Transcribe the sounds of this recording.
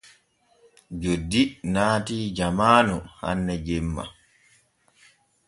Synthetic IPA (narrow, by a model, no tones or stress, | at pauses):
d͡ʒodːinaːtiːd͡ʒamaːnuha̰nːɛd͡ʒɛmːa̰